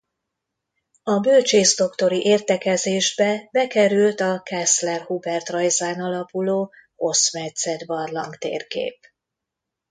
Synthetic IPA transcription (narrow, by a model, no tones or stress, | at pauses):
ɒbølt͡ʃeːzd̪o̞kt̪o̞ɾiʔeːrt̪ɛkɛzeːʒbɛbɛkɛɾylt̪ɒkɛslɛrhubɛrt̪rɒjzaːnɒlɒpuloː | ho̞smɛt̪sɛd̪bɒrlɒŋkt̪ḛːrkḛːp